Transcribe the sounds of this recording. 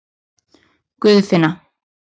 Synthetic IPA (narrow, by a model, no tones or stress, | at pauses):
kʏðθɪna